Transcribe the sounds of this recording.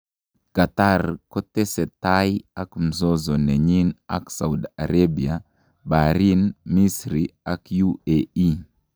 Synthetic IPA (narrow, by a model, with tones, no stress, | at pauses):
ka˨ta˦rkɔ˦tɛ˦sɛ˨tajia˦km̩˨zɔ˦zɔ˨nɛ˨ɲi˦na̰˦ksa˨u˨da̰˨ɾabi˨a | baɾi˦nmi˦sɾia˦kjuei˦